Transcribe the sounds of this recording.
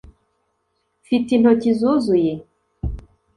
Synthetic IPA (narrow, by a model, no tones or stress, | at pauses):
fit̪in̥ɔcizozuje